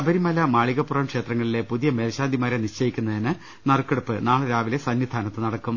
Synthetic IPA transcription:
ɐbɐɾimɐlɐmaːɭiɣɐpːurɐmkʂe̞ːt̪rɐŋːɐɭile̞puðijɐmeːlɕaːnd̪ʱimaːɾeniɕt͡ɕɐjikʲːunːɐðinɨ | nɐrkːeɽupːɨnaːɭɨɾaːʋile̞sɐnjid̪ʱaːnɐt̪ːɨnɐɽɐkːum

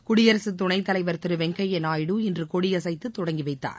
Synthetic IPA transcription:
kʊɽɪjɐɾɐsɯt̪̬ːʊɳɐɪt̪ːɐlɐɪʋɐɾt̪ɪɾɯʋɛŋkɐjɛnaːjɪɽuɪndrɯkɔɽɪjɐsɐɪt̪ːɯt̪ːʊɽɐŋɡiʋɐɪt̪ːa̰ːɾ

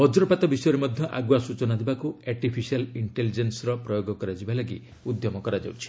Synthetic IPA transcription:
bɔd͡ʒɾɔpat̪ɔbisɔjɔɾemɔd̪ʱjɔʔa̰ɡwasut͡ʃɔnad̪ibakuaɾʈipʰisialiɳʈelid͡ʒensɾɔpɾɔjoɡɔkɔɾad͡ʒibalaɡḭ | ud̪jɔmɔkɔɾad͡ʒa̰wt͡ʃʰi̥

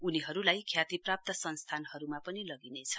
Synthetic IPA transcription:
uniɦʌɾulajkʰjat̪iprap̚t̪ʌsʌnst̪ʰanhʌɾumapʌnilʌɡinet͡sʰʌ̥

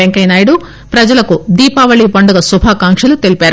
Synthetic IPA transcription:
eŋkɐjnaːjɽu | pɾɐd͡ʒɐlɐkud̪iːpaːʋɐɭiːpɐɳɖuɡɐsubʱaːkaːŋkʂɐlut̪elipeaːɾu

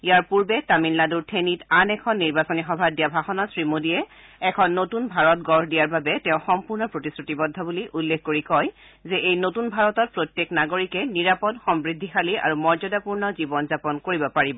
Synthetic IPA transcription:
ijaɹpuɹbɛtaminlladuɹtʰenitanɛkʰɔnːiɹbasonixɔbʱadijabʱaxɔnɔsɹimodiɛ | ɛkʰɔnːotunbʱaɹɔt̚ɡɔɹɦdijaɹbabɛtɛ̃ʊ̃xɔmpuɹnɔpɹotisɹutibɔdʱːɔbuliʔulːekʰkoɹikɔj | zɛʔejnotunbʱaɹɔtɔt̚pɹotjeknaɡoɹikɛniɹapɔdxɔmbɹidʱːixalia̰ɹumɔɹzɔdapuɹnɔzibɔnzapɔnkoɹibɔpaɹibɔ

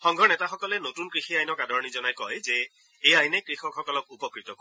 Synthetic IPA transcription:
xɔŋɡʱɔnɛtaxɔkɔlɛnotunkɹixiajnɔkadɔɹɔnizɔnajkɔjzɛ | ejajnekɹixɔkxɔkɔlɔkupɔkɹitɔko

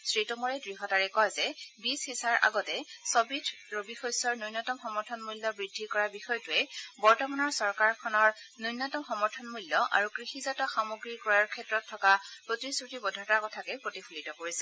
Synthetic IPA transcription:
sɹitɔmɔɹɛdɹiɦɔtaɹɛkɔjzɛbishisaɹʔa̰ɡɔtɛsɔbidʰɹobixojsɔɹnujnɔtɔmxɔmɔɹtʰɔnmulːɔbɹidʱːikɔɹabixɔjɔtuɛbɔɹtɔmanɔɹsɔɹkaɹkʰɔnɔɹnujnɔtɔmxɔmɔɹtʰɔnmuljɔʔa̰ɹukɹixizatɔxamoɡɹikɔjɔɹkʰɛtɹɔtʰːɔkapɹotisɹutibɔdʱɔtakɔtʰakɛpɹotipʰulitɔkoɹisɛ

